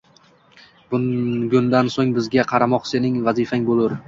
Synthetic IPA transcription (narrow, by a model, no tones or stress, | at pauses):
b̥ʊɡʊnd̪ansoŋbɪzɡʲaqʰɑɾamɒqsenɪŋvazɪfaŋbolʊɾ